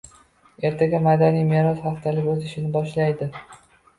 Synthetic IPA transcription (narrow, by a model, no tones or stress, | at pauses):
e̞ɾt̪ʰaɡʲamad̪anijme̞ɾɒsχɑqt̪ʰalɪkʲɵzɪʃɪnɪbɒʃlajd̪ɪ